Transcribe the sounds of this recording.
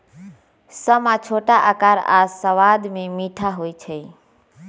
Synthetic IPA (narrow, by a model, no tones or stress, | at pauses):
səmat͡ʃʰoʈaʔa̰kaɾa̰səʋad̪memiʈʰaɦojt͡ʃʰəj